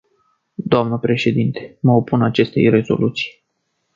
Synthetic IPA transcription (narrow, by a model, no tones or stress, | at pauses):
d̪oamnəpɾe̞ʃe̞d̪int̪e̞̥məo̞punat͡ʃe̞st̪e̞̰jre̞zo̞̰lʔut̪si̥j